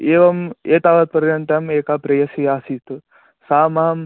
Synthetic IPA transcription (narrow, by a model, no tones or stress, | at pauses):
eːʋɐmeːt̪aːʋɐt̪̚pɐɾiɾɐɳʈ̪ɐmeːkaːpɾɐjɐsiaːsiːt̪u | saːmɐɦɐm